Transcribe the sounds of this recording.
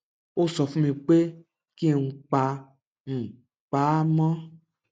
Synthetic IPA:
o˦sɔ˧fũ˦mĩ˧k͡pe˦ | ki˦e˨ŋũ˧k͡pa˧ | ñ̩˨ | k͡pa˨˦mɔ̃˦

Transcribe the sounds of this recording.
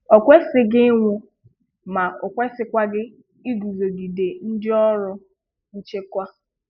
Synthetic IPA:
ɔ˨kʷe˦sɪ˦ɡɪ˦ŋʷʊ˦ | ma˨ʊ˨kʷɛ˦sɪ˦kʷa˦ɡɪ˦ | i˦ɡu˨zo˨di˨de˨n̩˦dɪ˦ɔ˦ɾʊ˦ | n̩˦t͡ʃe˦kʷa˦

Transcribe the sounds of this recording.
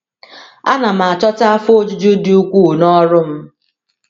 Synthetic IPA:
a˦na˨m̩˨a˨t͡ʃɔ˦ta˦fo˦d͡ʒu˦d͡ʒu˦di˦u˦kʷu˦˨nɔ˦ɾʊ˦m̩˦

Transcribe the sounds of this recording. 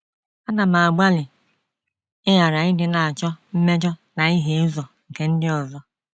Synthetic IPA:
a˦na˨ma˨a˨ɡ͡ba˦lɪ˨ | ɪ˦ja˨ɾa˨ɪ˦dɪ˨na˨a˨t͡ʃɔ˦m̩˦me˦d͡ʒɔ˦na˨i˦ɦe˦zɔ˨ŋ̩˨ke˨n̩˦dɪ˦ɔ˨zɔ˦

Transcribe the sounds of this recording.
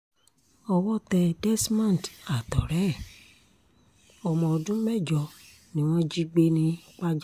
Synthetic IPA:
ɔ˧wɔ˦tɛ˧dɛ˦smã˦˨n˨ta˨tɔ˨ɾɛ˨˦˨ | ɔ˨mɔ̃˨dũ˦mɛ˦˨d͡ʒɔ˧˨ | nĩ˦w̃ɔ̃˦d͡ʒi˦ɡ͡be˦nĩ˦k͡pa˦d͡ʒ

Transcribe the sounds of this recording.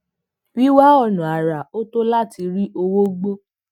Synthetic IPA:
wi˦wa˦ɔ˦˨nũ˨a˨ɾa˨o˦to˦la˦˨ti˧ɾi˦ʔo˧wo˦ɡ͡bo˦

